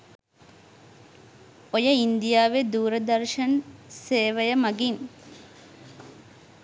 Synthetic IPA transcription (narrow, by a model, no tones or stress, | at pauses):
ojəind̪ijaːʋed̪uːɾəd̪ɐɾʃɐnseːʋɐjəmɐɡin